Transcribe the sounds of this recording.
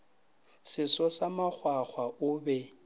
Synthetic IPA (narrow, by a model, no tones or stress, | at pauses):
sɪsɔsamak͡xʰwaχwaʔʊbɛ